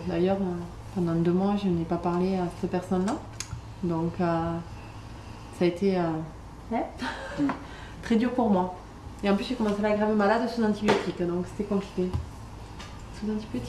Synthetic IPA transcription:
d̪ajœʁø | pɑ̃d̪ɑ̃d̪ømwaʒənepapaʁleasɛ̥t̪əpɛʁsɔnla | d̪ɔ̃kø | saːet̪eø | wɛ | t̪χɛd̪yʁpuʁmwa | eɑ̃plysʒekɔmɑ̃seaɡʁavemalad̪suzɑ̃t̪ibjot̪ikd̪ɔ̃kse̥t̪ɛkɔ̃pli̥kʲe | suzɑ̃t̪ibjot̪i

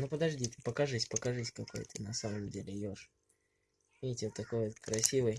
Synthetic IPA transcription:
nupəd̪ɐʐdʲit̪ɨpəkɐʐɨsʲpəkɐʐɨsʲkɐko̞̰jt̪ɨnɐsaməmdʲelʲɪjoʂ | vʲitʲɪot̪ːɐko̞jot̪kɾɐsʲivɨj

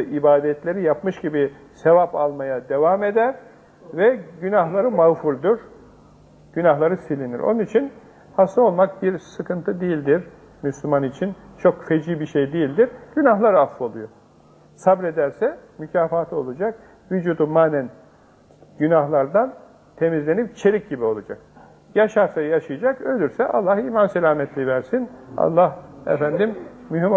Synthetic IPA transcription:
ʔibaːd̪ɛt̪lʲe̞ɾijapmɯʃɟibi | se̞vapalˠmajad̪e̞vame̞d̪æɾ | vɛɟynaɦlˠaɾɯmaɣfuɾd̪uɾ̥ | ɟ̥ynaɦlˠaɾɯsilʲinḭɾʔo̰nunit͡ʃʰin | hast̪ʰao̞lˠmak̚biɾsɯkʰɯnt̪ʰɯd̪ijilʲd̪iɾ | myslʲymanit͡ʃʰint͡ʃʰo̞kfed͡ʒiːbiʃejd̪ejilʲd̪iɾɟ̥ynaɦlˠaɾaslˠolˠujo | sabɾe̞d̪æɾsɛmycʰaːfaːt̪ʰɯo̞lˠud͡ʒak̚ | vyd͡ʒuːd̪umaːnæn | ɟynahlˠaɾd̪an | t̪ʰe̞mizlʲe̞nipt͡ʃʰe̞ɾʲic̚ɟibio̞lˠad͡ʒak̚ | jaʃaɾsajaʃɯjad͡ʒakølʲyɾsɛʔa̰lˠːahiːmansɛlʲaːmɛt̪ʰlʲivæɾsina̰lˠːahɛ̰fænd̪immyɦim

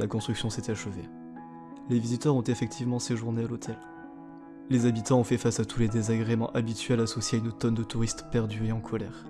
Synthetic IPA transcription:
lakɔ̃st̪χyksjɔ̃set̪aʃəve | levizit̪œʁɔ̃t̪efɛk̚t̪ʰivmɑ̃seʒuʁnealot̪ʰɛl | lezabit̪ɑ̃ɔ̃fɛfasat̪uled̪ezaɡʁemɑ̃ʔabit̪ɥɛlaːsɔsjeaynot̪ɔnd̪ət̪uʁist̪pɛʁd̪yeɑ̃kʰɔlɛːʁ

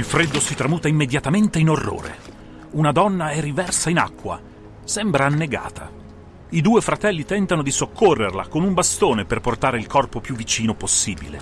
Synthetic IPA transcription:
ilfɾed̪ːosit̪ɾamuːt̪aimːed̪jat̪ament̪einorːo̰ːɾḛ | unad̪ɔnːaɛrːivɛrsaina̰kːwa̰ | sɛmbɾaːnːeɡa̰ːt̪ʰa̰ | id̪uːefɾat̪ɛlːit̪ɛnt̪anod̪isokʰːorːerla̰konumbast̪oːneperport̪aːɾeilkɔrpopjuvːit͡ʃiːnoposːiːbḭlḛ

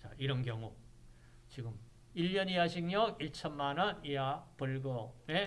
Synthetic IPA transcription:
t͡ɕaiɾʌnkjʌŋu | t͡ɕiɡɯm | iʎːʌniaɕʰiŋjʌɡiɭt͡ɕʰʌnmanʌniapuɭɡʌme

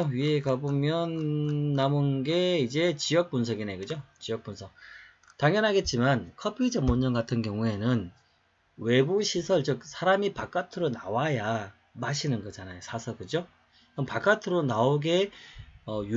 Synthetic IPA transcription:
oɥieɡabomjʌnːamonɡe̞id͡ʑe̞t͡ɕijʌk̚punsʰʌɡineɡɯd͡ʑot͡ɕijʌk̚p͈unsʰʌk̚ | taŋjʌnɦaɡe̞t̚t͡ɕ͈imankʰʌpʰid͡ʑʌmːoɲd͡ʑʌnɡatʰɯnkjʌŋue̞nɯn | we̞buɕʰisʰʌɭt͡ɕɯk̚sʰaɾamipak͈atʰɯɾonawaja | maɕʰinɯnɡʌd͡ʑanajosʰasʰʌkɯd͡ʑo | kɯmpak͈atʰɯɾonaoɡe̞ʌj

